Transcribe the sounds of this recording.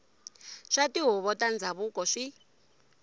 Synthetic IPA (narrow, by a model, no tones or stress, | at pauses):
ʂatiɦuβɔtand͡zʱaβukɔʂi